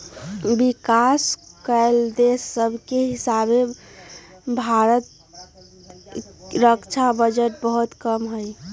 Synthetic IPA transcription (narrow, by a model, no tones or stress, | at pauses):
bikaskəɪld̪esːəbʱkeɦisabe | bʱaɾət̪ | ɾəkt͡ʃʰabəd͡ʒəʈ̚bəɦut̪kəmɦəj